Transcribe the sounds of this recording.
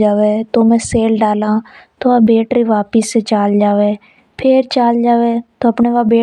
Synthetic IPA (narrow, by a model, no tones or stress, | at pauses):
d͡ʒaːʋeːt̪oːmɛ̃ːseːlɖaːlãːt̪oːaːbeːʈɾiːʋaːpɪset͡ʃaːld͡ʒaːʋeː | pʰɪɾt͡ʃaːld͡ʒaːʋeːt̪oːəpɳeːʋaːbeː